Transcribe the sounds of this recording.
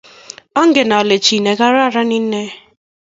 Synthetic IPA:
ɔ˦ŋ̩˦ɡe˨na˨o˨le˨t͡ʃi˨ne˨ɡa˦ɾa˦˨ɾa˦ni˦n̩˦ne˦

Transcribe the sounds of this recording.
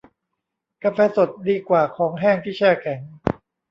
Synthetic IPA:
ka˧fɛː˧so˨˩t̪̚diː˧kwaː˨˩kʰɔː˩˦ŋɦɛː˥˩ŋt̪ʰiː˥˩t͡ɕʰɛː˥˩kʰɛ˩˦ŋ

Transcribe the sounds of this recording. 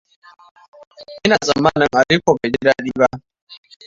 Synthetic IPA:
ɪ˦na˨za˨mːa˦nɪ˨ŋa˨di˦kʷɔ˨bɛ˨d͡ʒi˦ɾa˦ɗi˦ba˦

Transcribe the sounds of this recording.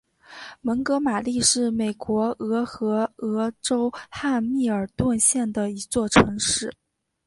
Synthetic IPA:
mə˧˥ŋkɤ˧˥ma˨˩li˥˧ʂɻ̩˥˩me˨˩ɪkwɔ˧˥ɤ˧˥xɤ˧˥ɤ˧˥ʈ͡ʂo˥ʊxa˥˧nmi˥˩ə˞˨˩t̪wa˥˧nɕjɛ˥˩nd̪ə˩i˧˥t͡swɔ˥˩ʈ͡ʂʰɤ˧˥ŋʂɻ̩˥˩

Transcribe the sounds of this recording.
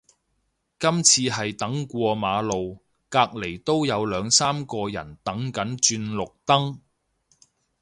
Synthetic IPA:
kɐ˥mt͡sʰiː˧ɦɐ˨jt̪ɐ˨˥ŋkʷɔː˧maː˨˧lo˨w | kaː˧k̚le˨˩jt̪o˥wjɐ˨˧wlœː˨˧ŋsaː˥mkɔː˧jɐ̰˨˩nt̪ɐ˨˥ŋkɐ˨˥nt͡ʃyː˧nlʊ˨k̚t̪ɐ˥ŋ

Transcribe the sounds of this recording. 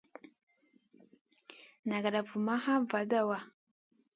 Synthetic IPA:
na˨ɡa˨ɗa˨vu˨ma˦ha˦va˨da˦˨wa˦

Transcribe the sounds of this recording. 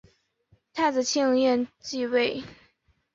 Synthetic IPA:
t̪ʰa˥˩t͡sɹ̩˨˩t͡ɕʰɛ˥˧ŋ˥˧ŋjɛ˥˧nt͡ɕi˥˧we˥˩ɪ

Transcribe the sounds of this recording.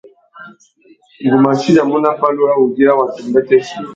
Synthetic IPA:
ɡu˨ma˨ʃi˦da˨mu˦na˨ɸa˦lu˦a˦wu˨ɡi˦a˦wa˨tu˨mba˦tɛ˦ʃi˦˨

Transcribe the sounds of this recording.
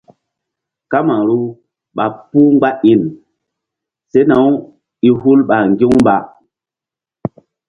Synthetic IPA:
ka˦ma˨ɾu˦ | ɓa˨pu˦ŋ͡mɡ͡ba˦ʔi˨n | se˦na˨˦w | i˦ɦu˦lɓa˨ŋɡi˦ŋmba˨

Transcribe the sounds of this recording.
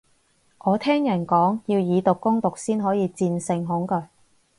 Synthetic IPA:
ʔɔː˨˧t̪ʰɛː˥ŋjɐ˨˩nkɔː˨˥ŋjiː˧wjiː˨˧t̪ʊ˨kːʊ˥ŋt̪ʊ˨k̚siː˥nɦɔː˨˥jiː˨˧t͡siː˧nsɪ˧ŋɦʊ˨˥ŋkɵ˧ɥ

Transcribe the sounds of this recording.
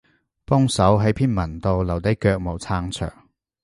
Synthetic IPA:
pɔː˥ŋsɐ˨˥wɦɐ˨˥jpʰiː˥nmɐ˨˩nt̪o˨wlɐ˨˩wt̪ɐ˨˥jkœː˧k̚mo˨˩wt͡sʰaː˧ŋt͡sʰœ̰ː˨˩ŋ

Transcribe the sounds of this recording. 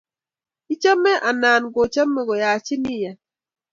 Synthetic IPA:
i˦t͡ʃa˦mɛ˦ʔa˨na˨nɡɔ˨t͡ʃa˦mːɛ˦ɡɔ˨ja˨t͡ʃɪ˦ni˦ja˨

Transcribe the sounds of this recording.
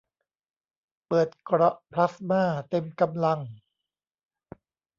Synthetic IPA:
pɤː˨˩t̪̚kɾɔ˦ʔpʰla˦˥smaː˥˩t̪e˧mka˧mla˧ŋ

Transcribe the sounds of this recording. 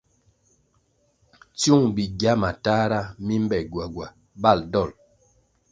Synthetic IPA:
t͡sju˦˨ŋbi˨ɡja˦ma˨ta˦ɾa˦mi˦m˦bɛ˨ɡwa˨ɡwa˨ | ba˦˨ldɔ˦˨l

